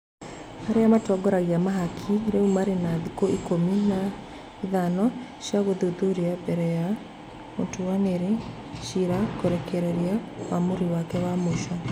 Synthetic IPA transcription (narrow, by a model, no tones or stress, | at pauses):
haɾeamatɔɡɔɾaɣiamaɦakʰiɾeumaɾenaðikoikomina | iðanɔʃjaɣoðoðoɾiabɛɾɛja | ontowaneɾe | ʃiɾakoɾɛkɛɾɛɾiawamoɾiwakɛwamoʃa